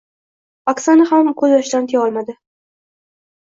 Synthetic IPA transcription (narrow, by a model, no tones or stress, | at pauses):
aksanahamkʰɵzjɒʃd̪ant̪ʰeɒlˠmad̪ɪ